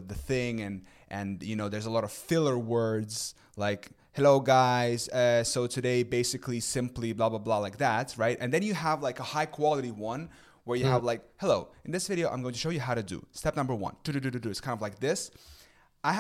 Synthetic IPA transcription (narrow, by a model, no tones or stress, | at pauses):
ðɨθɪ̃ŋɨ̃n | ʔɨ̃njɨnoʊðə˞zəlɔɾʌv̥fɪlˠə˞wɜ˞dz̥ | laɪk | hɛloʊɡaɪz̥ʌsoʊtʰɨɾeɪbeɪsɨklisɪ̃mpliblɑblablɑlaɪk̚ðætɹaɪtʔɨ̃nðɨ̃njɨəvlaɪkəhaɪkʰw̥ɑlˠəɾiwʌ̃n | wə˞jɨəvlaɪk̚hɛloʊɨ̃nðɪsvɪɾioʊã̰ɪ̃mɡoʊ̃tʰɨʃoʊjɨɦaʊɾɨdɨ̰stɛp̚nʌ̃mbə˞wʌ̰̃ntʰʉtʉtʉtutʉtskʰãɪ̃ndʌvlaɪk̚ðɪs | ʔaɪ